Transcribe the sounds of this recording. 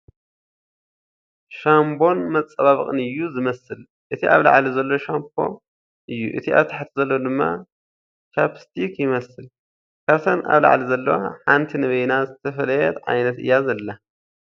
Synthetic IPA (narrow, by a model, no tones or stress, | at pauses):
ʃambo̞nmɐt͡sʼːɐβaβɨχʼɨnɨjːuzɨmɐsɨl | ʔɨt̪ʰiʔa̰βla̰ʕlizɐlːo̞ʃamp̚ʰo̞̰ | ʔɨjːṵʔɨ̰t̪ʰiʔa̰βt̪ʰaħt̪ʰzɐlːod̪ɨmːa̰ | t͡ʃapst̪ʰikjɪmɐsɨl | kʰat̪ʰɐnʔa̰βla̰ʕlizɐlːɐwa̰ħant̪ʰinɐβɐjnazɨt̪ʰɐfɐlɐjɛt̪ʕa̰jnɐt̪ɨ̰jːazɐlːa